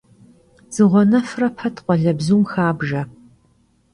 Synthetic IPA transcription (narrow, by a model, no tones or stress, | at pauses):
z̥ɨʁʷɔnɐfrɐpʰɐtʰqʷʼɔɮɐbzuːmxaːbʒɐ